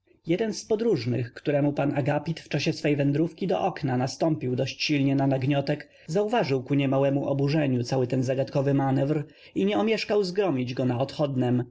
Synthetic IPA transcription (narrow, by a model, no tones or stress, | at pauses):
jɛd̪ɛnspɔd̪ɾuʐnɘ̰xkt̪uɾɛmupanaɡapʲit̪ft͡ʂaɕɛsfɛjvɛnd̪ɾufkʲid̪ɔ̰ʔɔknanast̪ɔmpʲiwd̪ɔɕt͡ɕɕilɲɛnanaɡɲɔt̪ɛk | zauvaʐɘwkuɲɛmawɛmuʔɔbuʐɛɲut̪sawɘt̪ɛnzaɡat̪kɔvɘmanɛvɾ | iɲɛɔmʲjɛʂkawzɡɾɔmʲid͡ʑɡɔnaɔt̪xɔd̪nɛm